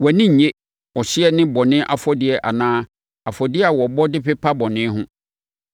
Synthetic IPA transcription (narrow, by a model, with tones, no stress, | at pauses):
wɛ˨nɪ̃˦ɲ̩˨ɲe˦ | ɔ˨ɕɪ˦ɛ˦nɪ̃˦bɔ˨nɪ̃˦ʔa˨fɔ˦dɪ˦ɛ˨ʔa˨nãː˦ | a˨fɔ˨dɪ˦a˨wɔ˨bɔ˦dɪ˦pɪ˦pʰa˦bɔ˨nɪ̃˦ɦʊ̃˦